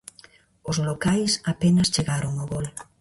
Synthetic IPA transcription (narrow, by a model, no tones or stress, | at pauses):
ʊzlokajsapenɐst͡ʃeɣaɾoŋoɣol